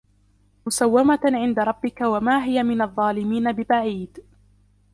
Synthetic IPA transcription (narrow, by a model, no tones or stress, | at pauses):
mʊsawːamaʕɪnd̪aɾˤɑbːɪkawamaːɦɪjamɪnɑðˤːɑːlɪmiːnabɪbaʕiːd̪